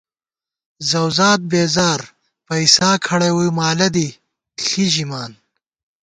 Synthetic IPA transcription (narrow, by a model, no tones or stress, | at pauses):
zɐwzaːt̪̚beːzaːɾ | pɐisaːkʰɐɽɐwumaːlɐd̪i | ɬiʑimaːn